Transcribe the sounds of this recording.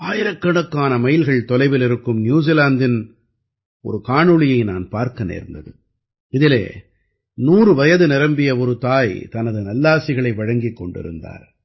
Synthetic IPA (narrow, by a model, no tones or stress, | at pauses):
aːjɪɾɐkːɐɳɐkːaːnɐmɐjɪlɣɐɭt̪ɔlɐɪʋɪlɪɾɯkːɯmnjuːs̬ilaːnd̪ɪn | ɔ̰ɾɯkaːɳɯɭɪjɐɪnaːnpaːɾkɐnḛːɾnd̪ɐðɯ̰ | ɪðɪlḛː | nuːrɯʋɐjɐðɯnɪɾɐmbɪjɐɔɾɯt̪aːjt̪ɐnɐðɯnɐlːaːsɪɣɐɭɐɪʋɐɻɐŋɡɪkːɔɳɖɪ̰ɾɯ̰nd̪a̰ːɾ